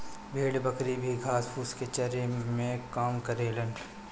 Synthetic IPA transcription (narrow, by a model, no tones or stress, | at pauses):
bʱeːɽbɐkɾibʱiɡʱaːspʰuːsket͡ʃɐɾemẽkaːmkɐɾeːlən